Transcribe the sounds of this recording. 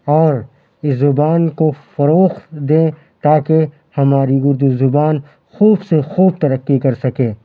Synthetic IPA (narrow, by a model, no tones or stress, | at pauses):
ɔːɾ | ɪszʊbaːnkofɐɾoːxt̪d̪ẽː | t̪aːke | hɐmaːɾiɡʊɾd̪uzʊbaːn | xuːbsexuːb̚t̪ɐɾəqːikɐɾsɐkẽː